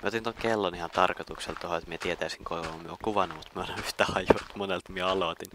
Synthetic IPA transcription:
mḭeot̪int̪oŋkelːonihɑnt̪ɑrkot̪ukselt̪ohoet̪miet̪iet̪æisiŋkoiʋɑommyøoŋkuʋɑnːumut̪miøoleyht̪æhɑjut̪monelt̪mieɑlot̪in

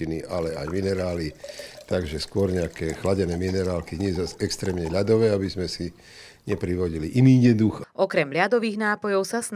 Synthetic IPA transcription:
iniʔalɛa̰jminɛɾaːlit̪aɡʒɛskʊɔɾɲɛakɛːxlaɟɛnɛːminɛɾaːlkiɲɛzazɛkst̪ɾɛːmɲɛʎad̪ɔʋɛːabizmɛsi | ɲɛpɾiʋɔɟiliʔiniːɲɛd̪uxʔɔkɾɛmʎad̪ɔʋiːɣnaːpɔjɔʊsasn

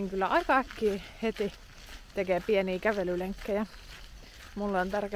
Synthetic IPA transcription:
ŋkylːæʔɑikɑækːiːhet̪i | t̪ekeːpieniːkæʋelyleŋkːejɑ | mulːont̪ɑrke

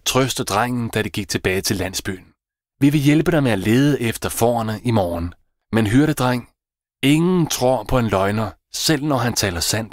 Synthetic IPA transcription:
t͡sʰʁœsd̥əd̥ʁaŋ̰n̩d̥æɾiɡ̥iɡ̥̚t͡sʰe̝b̥ɛːɪt͡sʰe̝lːæn̰sb̥y̰ːn̩ | ʋiʋe̝jelb̥əɾ̥ɑmeæle̝ːð̞ˠəʔefd̥ɐfɒ̰ːɐnəʔimɒːn | menɦyɐɾ̥əd̥ʁaŋ̰ | e̝ŋn̩t͡sʰʁo̝ɐ̰pʰɒ̽e̝nlɒ̽ɪnɐ | sel̰nɒɦænt͡sʰɛ̰ːlɐsæn̰d̥

